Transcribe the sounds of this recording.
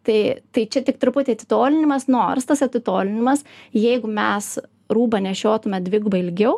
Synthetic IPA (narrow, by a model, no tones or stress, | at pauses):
t̪ɐɪt̪ɐɪt͡ʃʲɛt̪ʲɪkt̪ɾʊpʊt̪ʲeːɐt̪ʲɪ̥t̪oːlʲɪnʲɪmɐsnoːrst̪ɐsɐt̪ʲɪt̪oːlʲɪnʲɪmɐsjɛɪɡʊmʲɛs | ɾuːbɐnʲɛʃʲoːt̪ʊmʲɛd̪ʲʋʲɪɡʊbɐɪlʲɡʲɛʊ